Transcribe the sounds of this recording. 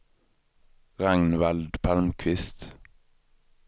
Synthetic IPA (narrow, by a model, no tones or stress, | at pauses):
ʁæŋnʋæld̪pʰɑlmkʰʋɪst̪